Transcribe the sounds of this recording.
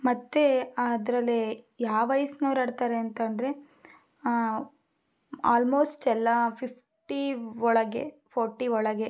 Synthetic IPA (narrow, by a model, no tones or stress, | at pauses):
mɐt̪ːe̞ad̪ɾɐlːi | jaːʋɐjsnɐːɾɐɽt̪aːɾeɐnt̪ɐnd̪ɾe | aːlmoːsʈɛlːapʰipʰ | ʈiɔɭɐɡepʰoːɾʈːiɔɭɐɡe